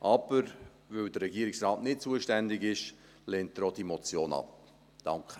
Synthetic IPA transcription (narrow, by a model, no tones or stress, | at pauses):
ʔɑb̥əɾ | vʋøldəɾːɛɡiːəɾɪksrɑːtnɪt̚t͡suəʃtændɪɡɪʃ | lɛːntdɾɔd̥imɔt͡sjoːnɑ̰p̚ | d̥ɑŋkχə